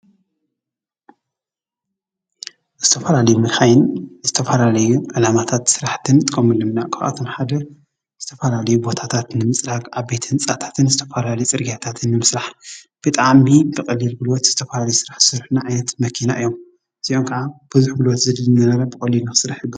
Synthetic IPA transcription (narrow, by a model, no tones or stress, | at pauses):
z̥ɨt̪ʰɐfɐlalɐjumɨlxajɪnzɨt̪ʰɐfɐlalɐjuʕɨlamat̪ʰat̪sɨɾaħt̪ʰɨnt̪ʼɨkʼɐmɨlɨmnakʰawʔa̰t̪ʰomħad̪ɐ | z̥ɨt̪ʰɐfɐlalɐjubo̞t̪ʰat̪ʰat̪nɨmɨsʼlaɡʔaβbe̞t̪ʰɨnt͡sʼat̪ʰḁt̪ʰɨnzɨt̪ʰɐfɐlalɐjt͡sʼɨɾɡiat̪ʰat̪ʰɨnːɨmɨsɾaħ | b̥ɨt̪ʼaʕmibɨkʼɐlːilɡulot̪z̥ɨt̪ʰɐfɐlalɐjusɨɾaħsɨɾħnaʕajnɐt̪mɐkʰinaʔɨjːom | z̥iʔoŋkʰɐʔab̥ɨzuħɡɨlot̪zɨd̪ɨlːɨnɐɾɐɾɐbɨkʼɐlːinasɨɾaħɨb